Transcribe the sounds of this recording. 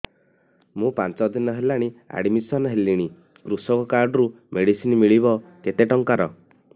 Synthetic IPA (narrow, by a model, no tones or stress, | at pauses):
mũpant͡ʃɔd̪inɔɦelaɽ̃ia̰ɽimisɔnɦeliɽ̃i | kɾusɔkɔkaɾɖɔɾu | mʔeɽisinmiɭiβɔket̪eʈɔŋkaɾɔ